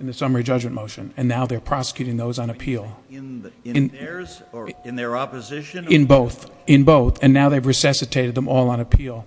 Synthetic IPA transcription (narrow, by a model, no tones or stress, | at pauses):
ɨ̃nðɨsʌmə˞id͡ʒʌd͡ʒmɨ̃nmoʊʃɨ̰̃nɨ̃nːaʊðə˞pʰɹ̥ɑsə̥kʰj̥ʉɾɪ̃ŋðoʊzn̩ɨpʰil̃ˠ | n | nɑpɨzɪʃɨ̃nboʊθ | ɨ̃nboʊθɨ̃nːaʊðeɪvɹɨsʌsɨtʰeɪɾɨd̪̚ðə̃mɔlˠə̃nɨpʰilˠ